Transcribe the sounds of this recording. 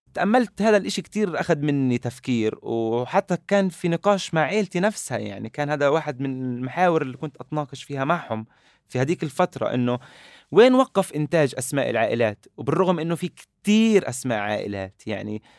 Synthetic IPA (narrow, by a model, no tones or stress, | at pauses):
t̪aʔamːalt̪haːd̪alʔɪʃikt̪iːɾʔaxad̪mɪnːit̪afkiːɾwħat̪ːakaːnfinɨqɑːʃmaʕeːlt̪inafsha̰ja̰ʕnikaːnhaːd̪awaːħɪd̪mɪnɪlmaħaːwɪɾɪlːikʊnt̪ʔɑt̪nɑːqɨʃfiːhamaʕhʊm | fihad̪iːkɪlfat̪ɾˤɑ̰ʔɪ̰nːo | weːnwɑqːɑfʔɪnt̪aːʒʔasmaːʔɪ̰lʕa̰ːʔɪlaːt̪wbɪrˤːʊɣmʔɪnːofikt̪iːɾʔasma̰ːʔʕa̰ːʔɪ̰la̰ːt̪ja̰ʕni